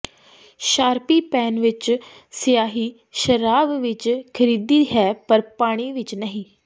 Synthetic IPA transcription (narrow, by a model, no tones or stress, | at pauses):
ʃaːɾpiːpɛːnʋɪt͡ʃ | sɪjaːɦiː | ʃəɾaːbʋɪt͡ʃkʰəɾiːd̪iːɦɛːpəɾpaːɽ̃iːʋɪt͡ʃnəɦĩː